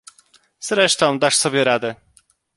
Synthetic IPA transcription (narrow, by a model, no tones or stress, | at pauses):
z̥ɾɛʂt̪ɔ̃w̃d̪aʂsɔbʲjɛɾad̪ɛ